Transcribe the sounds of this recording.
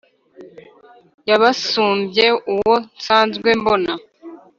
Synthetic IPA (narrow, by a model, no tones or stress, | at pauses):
jaβasuːmbje̞uwo̞nsaːnzɡwe̞mbo̞na